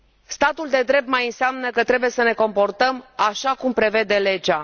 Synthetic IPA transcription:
st̪at̪uld̪e̞d̪ɾe̞p̚t̪̚majɨnseamnəkət̪ɾe̞buje̞səne̞ko̞mpo̞rt̪əmaʃakumpɾe̞ve̞d̪e̞le̞d͡ʒa

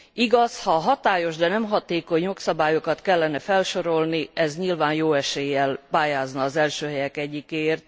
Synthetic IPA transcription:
iɡɒshɒɦɒt̪aːjo̞ʒd̪ɛnɛmɦɒt̪eːko̞ɲjo̞ksɒbaːjo̞kɒt̪kɛlːɛnɛfɛlʃo̞ɾo̞lniɛzɲilvaːnjoːɛʃeːjːɛlpaːjaːznɒːzɛlʃøːɦɛjɛkɛɟːikeːrt̪̚

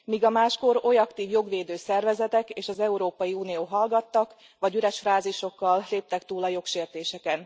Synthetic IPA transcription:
miːɡɒmaːʃko̞ɾo̞jɒkt̪iːvjo̞ɡʋeːd̪øːsɛrvɛzɛt̪ɛkeːʃɒzɛuɾoːpɒjiuːnijoːɦɒlɡɒt̪ːɒk | ʋɒɟyɾɛʃfraːziʃo̞kːɒlleːp̚t̪ɛkt̪uːlɒjo̞kʃeːrt̪eːʃɛkɛn

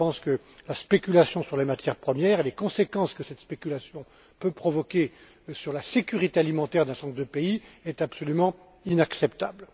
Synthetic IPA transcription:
ɑ̃skə | laspekʲylasjɔ̃syʁlemat̪jɛʁpχəmjɛʁelekɔ̃sekɑ̃skəsɛt̪spekʲylasjɔ̃ | pøpχɔvɔkʲe | syʁlasekʲyʁit̪ealimɑ̃t̪ɛʁd̪ɛ̃sɑ̃t̪d̪əpeiɛt̪apsɔlymɑ̃ | inaksɛpt̪abl

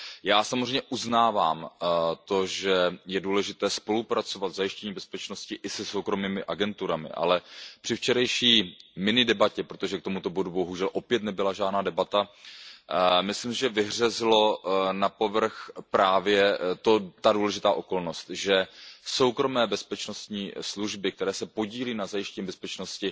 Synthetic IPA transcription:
jaːsamozreɛjmɲɛʔuznaːvaːmt̪o̞ʒɛjɛduːlɛʒɪt̪ɛːspo̞lupɾat͡so̞vat̪vzajɪʃcɛɲiːbɛspɛt͡ʃno̞scɪʔɪsɛso̞wkɾo̞miːmɪʔaɡɛnt̪uɾamɪ̰ʔa̰lɛpr̥ɪft͡ʃɛɾajʃiːmɪnɪdɛbacɛpɾot̪oʒɛkt̪omut̪obo̞dubo̞ɦuʒɛlʔo̞pjɛt̪nɛbɪlaʒaːdnaːdɛbat̪a | mɪslimsɪʒɛvɪɦr̝ɛzɪlo̞napo̞vr̩xpɾaːvjɛt̪ot̪aduːlɛʒɪt̪aːʔo̞ko̞lno̞st̪ʒɛso̞wkɾo̞mɛːbɛspɛt͡ʃno̞st̪ɲiːsluʒbɪk̚t̪ɛɾɛːsɛpo̞ɟiːliːnazajɪʃcɛɲiːbɛspɛt͡ʃno̞scɪ

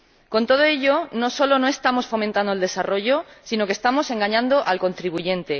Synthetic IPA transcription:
ko̞nt̪o̞ð̞oe̞ʝo̞no̞so̞lo̞no̞e̞st̪amo̞sfo̞mẽnt̪and̪oeld̪e̞saro̞ʝo̞sino̞kest̪amo̞se̞ŋɡaɲãnd̪o̞ʔalko̞nt̪ɾiβuʝẽ̞nt̪e̞

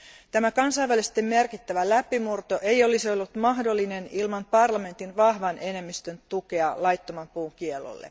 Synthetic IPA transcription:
t̪æmækɑnsɑjʋælist̪ːemːe̞rkit̪ːæʋælæpːimurt̪o̞ʔe̞jo̞liso̞lːut̪mɑɦdo̞lːine̞nilmɑnpɑrlɑme̞nt̪inʋɑhʋɑnʔe̞ne̞mːist̪ønt̪uke̞ɑlɑjt̪ːomɑmpuːŋk̟ielːo̰lːḛ

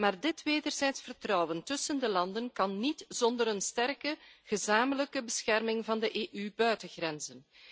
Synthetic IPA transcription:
maːrdɪtʋeːdərzɛjtsfərtrɔwəntɵsəndəlɑndənkɑnːitz̥ɔndəɾənstɛrkəɣəzaːmələkəbəsxɛrmɪŋvɑndəʔeːʔybœɥtəɣrɛnzən

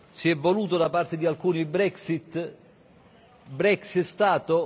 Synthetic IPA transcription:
siɛvːoluːt̪od̪apart̪ed̪ialkuːnibɾɛksit̪ː | bɾɛksit̪st̪aːt̪o

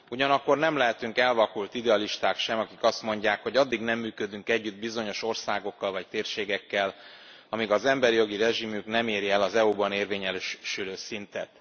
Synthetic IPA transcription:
uɟɒnɒkːo̞rnɛmlɛɦɛt̪yŋkɛlvɒkult̪id̪ɛɒliʃt̪aːkʃɛmɒkikɒst̪mo̞ɲɟaːkho̞ɟɒd̪ːiɡnɛmːyːkø̞d̪yŋkɛɟːyd̪bizo̞ɲo̞ʃo̞rsaːɡo̞kːɒlvɒc̚t̪eːrʃeːɡɛkːɛl | ɒmiɡɒzɛmbɛɾijo̞ɡirɛʒimyknɛmeːɾiɛlɒzɛubɒneːrveːɲɛløʃʃyløːsint̪ɛ̰t̪

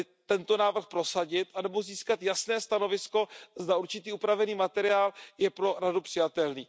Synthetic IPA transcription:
t̪ɛnt̪o̞naːvr̩xpɾo̞saɟɪt̪ʔanɛbo̞ziːskat̪jasnɛːst̪ano̞vɪsko̞zd̪auɾt͡ʃɪt̪iːupɾavɛniːmat̪ɛɾɪaːljɛpɾo̞ɾadupr̥ɪjat̪ɛlniː

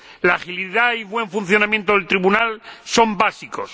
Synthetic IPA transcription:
laxiliðaiβwe̞ɱfun̟θjo̞nãmjent̪oðelt̪ɾiβunalso̞mbasiko̞̰s

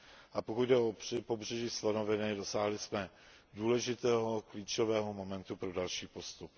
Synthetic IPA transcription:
ʔapokud̪dɛʔopo̞br̝ɛʒiːslanovɛnɪdo̞saːɦlɪsmɛ | duːlɛʒɪt̪ɛːɦo̞kliːt͡ʃovɛːɦo̞mo̞mɛnt̪upɾo̞dalʃiːpo̞st̪up

